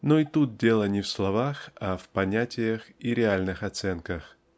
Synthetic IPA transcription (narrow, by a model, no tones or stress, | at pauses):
noit̪ut̪̚dʲe̞lˠənʲɪfslˠɐvaxafpɐnʲætʲɪjəxiɾʲɪalʲnɨxɐt̪sɛnkəx